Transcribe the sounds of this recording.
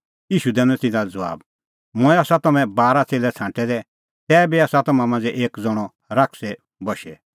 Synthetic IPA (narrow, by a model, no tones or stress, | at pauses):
iːʃud̪ɛ̃ːnɔ̃t̪ɪ̃nald͡zɔʋa̰ːb | mʊɛaːsat̪ɐmɛ̃baːɾat͡seːlɛt͡sʰãːɳʈɛd̪ɛ | t̪ɛːbiaːsat̪ɐmãmãnd͡zɛʔeːkd͡zɔɽ̃ɔ | ɾakʰsɛ | bɔʃɛ